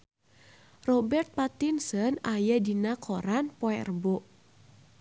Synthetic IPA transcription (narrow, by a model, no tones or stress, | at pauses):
rɔbɛrt̪̚pat̪insənajadinakʰoɾanpoɛrboʔ